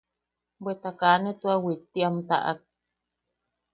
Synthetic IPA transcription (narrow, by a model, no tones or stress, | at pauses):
bwet̪akanet̪uawit̪ːiamt̪a̰ʔa̰k̚